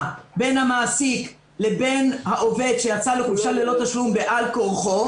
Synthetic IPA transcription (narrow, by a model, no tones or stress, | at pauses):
be̞nhamaːsik | le̞be̞nhaʔo̞ve̞d̪ʃe̞jat͡saleχuʃalelo̞t̪aʃlumbeʔalko̞ʁχo̞